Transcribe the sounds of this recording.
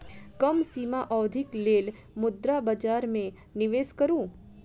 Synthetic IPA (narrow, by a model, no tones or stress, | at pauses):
kɐmsiːmaʔɔːd̪ʱɪkleːl | mʊd̪ɾabɐd͡ʒaːɾmẽ | nɪʋeːskɐɾũː